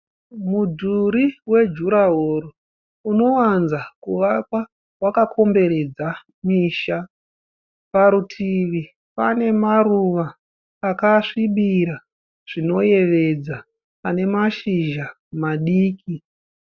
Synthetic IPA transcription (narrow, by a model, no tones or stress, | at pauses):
mudʱuɾiwe̞d͡ʒuɾaɦoɾo | uno̞wanzakuʋakwa | wakakʰo̞mbe̞ɾe̞d͡za | miːʃa | paɾutʰiʋi | pane̞maruʋaː | kaʂiɓiɾa | ʐ̥ino̞je̞ʋe̞d͡za | ane̞maʃiʒa | maɗiːki